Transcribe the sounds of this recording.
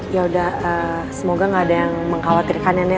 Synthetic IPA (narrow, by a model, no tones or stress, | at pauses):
jaudahə | səmoɡaŋɡaːdajaŋməŋkawat̪ɪrkanjani